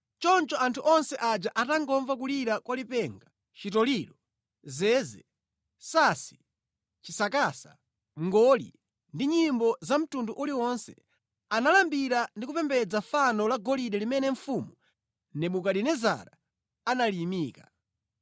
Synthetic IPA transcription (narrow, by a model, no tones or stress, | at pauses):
t͡ʃɔnt͡ʃɔʔantʰuʔɔnsɛʔad͡ʒaʔataŋɡɔɱvakuliɾakwalipɛŋɡa | t͡ʃitɔliɾɔ | zɛːzɛ̰ | sasi̥ | t͡ʃisakaːsa | ŋɡɔlḭ | ndiɲimbɔzam̩tunduʔuliwɔnsɛ | analambiɾandikupɛmbɛd͡zafanɔlaɡɔliɗɛlimɛnɛɱ̩fumu | nɛɓukaɗinɛza̰ɾa | analimiːka